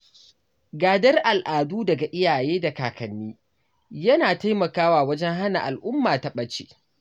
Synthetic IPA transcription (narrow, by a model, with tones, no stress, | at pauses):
ɡaː˨dɐ˦rʔa˨lʔaː˨duː˦dɐ˨ɡa˨ʔɪ˦jaː˨jeː˦da˨kaː˨kɐ˨nːiː˦ | jɐ˦naː˨ta˦jmɐ˨kaː˦waː˨wɐ˦d͡ʒɛ˦ŋɦa˦na̰˨ʔa˨lʔʊ˦mːaː˨ta˦ɓɐ˦t͡ʃḛː˨